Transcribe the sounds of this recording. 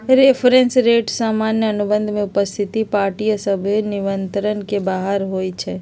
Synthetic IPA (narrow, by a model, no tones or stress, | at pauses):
ɾepʰɾensɾeʈsaːmanjəənubənd̪ʱmẽʊpəst̪ʰit̪ipaːɾʈijsəbʱiniʋənt̪ɾənkebaɦəɾɦojt͡ʃʰɛ